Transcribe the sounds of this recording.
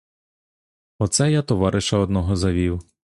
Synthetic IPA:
ɔt̪sɛjat̪ɔʋɑɾʔɪʃɐɔd̪nɔɦɔzɐʋʲiw

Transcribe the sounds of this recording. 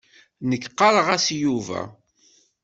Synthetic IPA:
nəkːqːɑɾˤʁæsjuvæ̰

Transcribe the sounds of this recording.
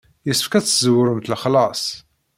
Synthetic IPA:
jəsəfkæt͡sːəzwəɾmt̪əlχlɑsˤ

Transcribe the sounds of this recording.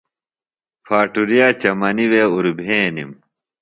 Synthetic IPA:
fʰaːʈuɾijaːt͡ɕɐmɐniweuɾubʱẽːnḭm

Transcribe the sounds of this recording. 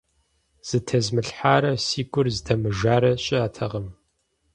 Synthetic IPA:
z̥ɨtʰɐzmɨɬħaːɾɐsiːɡʷʼʊrzdɐmɨʒaːɾɐɕʼɪaːtʰɐʁɐm

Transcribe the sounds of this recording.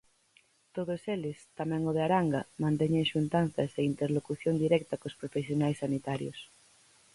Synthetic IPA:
t̪oðoselest̪amɛ̃ŋoð̞eaɾaŋɡamãnt̪ɛɲeŋʃunt̪an̟θaseint̪eɾlokuθjond̪iɾɛk̚t̪akospɾofesjonajsːanit̪aɾjo̰s

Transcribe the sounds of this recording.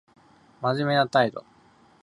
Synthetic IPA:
maʑime̞not̪aid̪o̰

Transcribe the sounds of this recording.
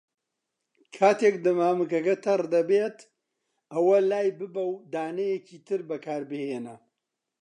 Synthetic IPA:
kʰaːt̪ekd̪ɐmaːmɨkɐkɐt̪ʰɐrd̪ɐbeːt̪ | ɐwɐlaːjbɨbɐwd̪aːnɐjeciːt̪ʰɨɾbɐkʰaːɾbɨheːnɐ

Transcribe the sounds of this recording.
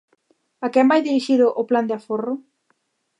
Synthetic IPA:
akɛmbajðiɾiʃiðʊʔʊpland̪ɪaforʊ

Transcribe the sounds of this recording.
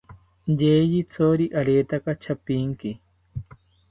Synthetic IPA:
jeːjit͡sʰoɾiʔaɾeːt̪akat͡ʃʰapiŋki

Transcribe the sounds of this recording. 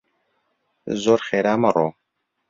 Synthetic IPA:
zoːɾxeːɾaːmɐroː

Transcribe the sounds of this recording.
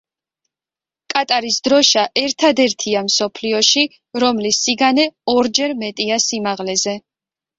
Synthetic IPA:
kʼat̪ʼaɾisd̪ɾɔʃaʔɛɾt̪ʰad̪ɛɾt̪ʰiamsɔpʰliɔʃi | ɾɔmlisːiɡanɛɔɾd͡ʒɛɾmɛt̪ʼiasimaʁlɛzɛ

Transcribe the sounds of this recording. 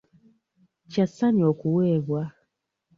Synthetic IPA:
t͡ʃasaniɔkuwɛβwa

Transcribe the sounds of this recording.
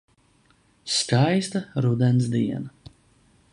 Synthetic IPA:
skajst̪aɾud̪ɛnsd̪iɛna

